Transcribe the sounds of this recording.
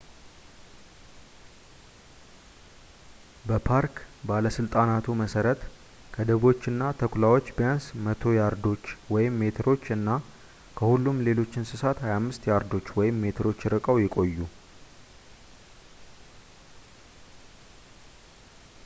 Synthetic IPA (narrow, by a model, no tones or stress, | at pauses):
bəpʰaɾkbaləsɨlt̪ʼanat̪ʰuməsəɾət̪ | kʰəd̪əβo̞t͡ʃːɨnːat̪ʰəkʰulawo̞t͡ʃːbijansmət̪ʰo̞jaɾd̪o̞t͡ʃːwɔjɪmːe̞t̪ʰɾo̞t͡ʃːɨnːa | kʰəhulːumle̞lo̞t͡ʃːɪnsɨsat̪hajamːɨst̪jaɾd̪o̞t͡ʃːwɔjɪmːe̞t̪ʰɨɾo̞t͡ʃːjɪɾɨkʼəwjɪkʼo̞jːu